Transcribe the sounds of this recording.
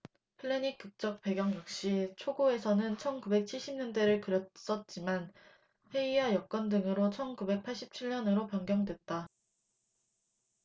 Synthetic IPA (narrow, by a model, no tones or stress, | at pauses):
pʰɯɭːeɲik͈ɯk̚t͡ɕ͈ʌk̚p͈e̞ɡjʌŋjʌk̚ɕ͈it͡ɕʰoɡoe̞sʰʌnɯnt͡ɕʰʌnkube̞k̚t͡ɕʰiɭɕ͈ʰimɲʌndwe̞ɾɯɭkɯɾjʌts͈ʌt̚t͡ɕ͈iman | ɸe̞iajʌk̚k͈wʌndɯŋɯɾot͡ɕʰʌnkube̞k̚pʰaɭɕ͈ip̚t͡ɕʰiɭɲʌnɯɾopjʌŋɡjʌŋdwet̚t͈a